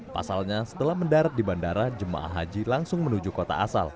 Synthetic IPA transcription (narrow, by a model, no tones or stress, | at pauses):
pa̰salɲasə̥t̪əlahməndaɾat̪̚dibandaɾad͡ʒəma̰ʔa̰ɦad͡ʒilaŋsʊŋmənud͡ʒukot̪a̰asa̰l